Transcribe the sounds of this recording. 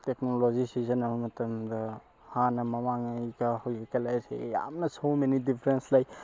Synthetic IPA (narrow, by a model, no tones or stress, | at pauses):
tek̚nolozisizɐnɐbɐmɐtɐmd̪ɐ | hanɐmɐmaŋajɡɐhawkekalajsḛja̰mnɐsomenidipʰɾenslaj